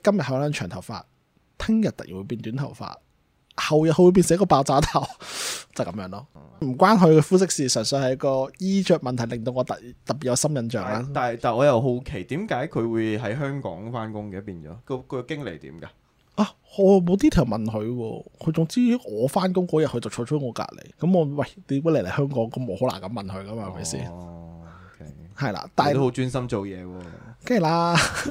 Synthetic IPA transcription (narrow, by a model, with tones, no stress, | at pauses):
kɐ˥mjɐ˨t̚hɐ˨˥wlaː˧˥nt͡ʃʰœː˨˩ŋt̪ʰɐ˨˩wfa̰ː˧t̚ | t̪ʰɪ˥ŋjɐ˨t̪̚ːɐ˨k̚jḭ˨˩wu˨˧p̬iː˧nt̪yː˨˥nt̪ʰɐ˨˩wfa̰ː˧t̚ | hɐ˨wjɐ˨t̚hɵ˧wuː˧p̬i˧nsɪ˨ŋjɐ˥kɔ˧paː˧wt͡saː˧˥t̪ʰa˨˩wt͡sɐ˨wkɐ˨˥mjœː˧˥ŋlɔː˥ | m̩˨˩kʷwaː˥nɦɵ˨˧ɥkɛː˧fuː˥sɪ˥k̚siː˨˧sœː˨˩ŋsɵ˨˧hɐ˨jɐ˥kɔː˧jiː˥t͡ʃœː˧k̚mɐ˨nt̪ʰjlɪ˨˩ŋt̪̬o˧wŋɔː˨˧t̪ɐ˨t̪ɐ˨˩pːi˨˩jɐ˧sɐ˥mjɐ˨˧nt͡ʃœ̰ː˨˩ŋlaː˧t̪aː˨˩t̪aː˨˩ɔː˨˧jɐ˨˩wɦo˨˥wkʰe˨˩jt̪iː˨˥mkaː˨˥jkʰɵ˨˧ɥwuː˨˧jɦɐ˨˥jɦœː˥ŋkɔ̰ː˨˥ŋfaː˥nkʊ˥ŋkɛː˨˥piː˧nt͡ʃɔ̰ː˨˥kɔ˧kʰɵ˧kkɪ˥ŋle˨˩jt̪ḭː˨˥mkaː˧ | ʔaː˧˩ | ŋɔː˨˧˨mo˨˧wt̪̬iː˥t̪ʰi˨˩wmɐ˨nɦɵ˨˧ɥwɔ̰ː˧kʰɵ˨˧t͡sʊ˨ŋt͡siː˥ŋɔː˨˧faː˥nkʊ˥ŋkɔː˨˥jɐ˨t̚ʰɵ˧t͡sɐ˨wʰɔː˧ʊ˥t̚ŋɔː˨˧ka̰ː˧t̚lḛ˨˩kɐ˨˥mɔ˨˧wɐ˧˨˩jt̪iː˨˥kːle˨˩le˨˩hœː˥ŋkɔː˨˥ŋkɔ˨˥mo˨˧ho˨˥wla̰˨˩ŋkɐ˨˥mɐ˨˩nhɥkɐ˥maː˧hɐ˨˩mɐ̰˨˩jsḭː˥n | kʰhɐ˨jla̰ː˧t̪aː˨j̪o˥o˨˥wt͡ʃyː˥nsɐ˥mt͡ʃo˨wjɛː˨˧wɔː˧ke˥ŋ˨˩laː˧